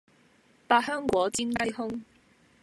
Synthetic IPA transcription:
paː˧hœː˥ŋkʷwɔː˨˥t͡siː˥nkɐ˥jɦʊ˥ŋ

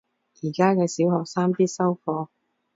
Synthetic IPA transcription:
jiː˨˩kaː˥kɛː˧siː˨˥whɔː˨k̚saː˥mpiː˥t̚sɐ˥wfɔː˧

